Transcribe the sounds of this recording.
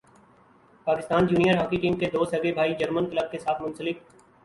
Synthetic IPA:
paːkɪst̪aːnd͡ʒuːnijəɾɦaːkiʈiːmked̪oːst̪ɦɐɡebʱaːid͡ʒəɾmənkɪləb̚kesaːt̪ʰmʊ̃nsəlɪk̚

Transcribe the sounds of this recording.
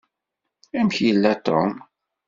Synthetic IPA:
æmçjəlːæt̪o̰m

